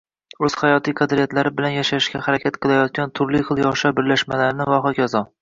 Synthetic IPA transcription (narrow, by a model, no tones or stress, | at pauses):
ɵz̥χajɒt̪ʰikʰad̪ɾɪjat̪laɾɪbɪlanjaʃaɪʃkʲahaɾakʲʰat̪qʰɨlˠajɒt̪̚kʲant̪ʰʊɾlɪχɨlˠjɒʃɒbɪɾlaʃmalaɾɪnɪvaχɒkʲʰazɒ